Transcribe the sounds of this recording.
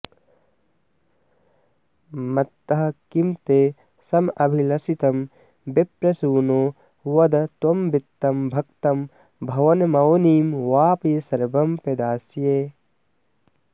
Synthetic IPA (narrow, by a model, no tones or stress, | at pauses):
mɐt̪ːɐɦɐkimt̪eː | sɐmɐbʱilɐsit̪ɐm | bepɾɐsuːnoː | wɐd̪ɐt̪wɐmbit̪ːɐmbʱɐkt̪ɐm | bʱɐʋɐnmɐwniːmwaːpijɐsɐɾbɐmpɐd̪aːsjeː